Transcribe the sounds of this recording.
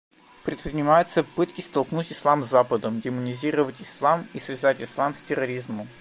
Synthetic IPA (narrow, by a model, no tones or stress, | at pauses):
pɾʲɪt̪pɾʲɪnʲɪmajɪt̪səpɨt̪kʲɪst̪ɐlˠknutʲɪslˠamzːapəd̪əmɡʲɪmʊnʲɪzʲiɾəvətʲɪslˠamisvʲɪzatʲɪslˠamsʲtʲɪɾɐɾʲizməm